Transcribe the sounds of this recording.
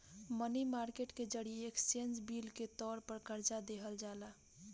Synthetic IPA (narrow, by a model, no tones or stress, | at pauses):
mənimaɾkeʈked͡ʒəɽieekt͡ʃend͡ʒbilket̪ɔɾpəɾkəɾd͡ʒad̪eɦəld͡ʒala